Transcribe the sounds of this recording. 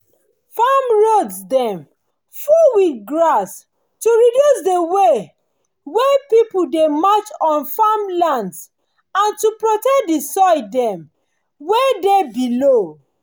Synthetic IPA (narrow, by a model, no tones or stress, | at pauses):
famɹodsdɛ̃m | fuwiθɡɹas | tuɹidjusdewe | wepipudemat͡ʃɔ̃nfamlãnds | ãntupɹotɛk̚disɔɪdɛ̃m | wedebilo